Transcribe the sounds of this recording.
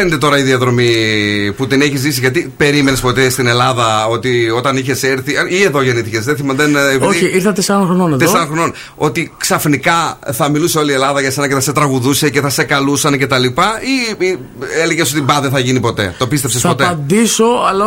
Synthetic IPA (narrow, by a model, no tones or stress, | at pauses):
ent̪et̪o̞ɾɐiðiɐðɾo̞miput̪ineçizðisiʝɐt̪ipe̞ɾime̞nespo̞t̪est̪ine̞lɐðɐo̞t̪io̞t̪ɐniçe̞seɾθiɐie̞ðo̞ʝe̞niθice̞zðeθimɐðenvoiiɾθɐt̪esɐnɐxɾononeðeosɐɐxɾonon | o̞t̪iksɐfnikɐθɐmiluseo̞lie̞lɐðɐʝɐse̞nɐceθɐse̞t̪ɾɐɣuðuse̞ce̞θɐse̞kɐlusɐnce̞t̪ɐlipɐii | eleʝeso̞t̪ibɐðeθɐʝinipo̞t̪e̞̰t̪o̞pist̪e̞psespo̞t̪ed̪iso̞ɐlɐ